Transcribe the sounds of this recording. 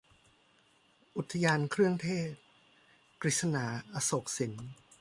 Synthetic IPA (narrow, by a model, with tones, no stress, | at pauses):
ʔu˨˩t̪ʰːa˧jaː˧nkʰɾɯ˥˩əŋt̪ʰeː˥˩t̪̚ | kɾi˨˩t̪̚sa˧naː˩˦ʔa˧so˨˩k̚si˩˦n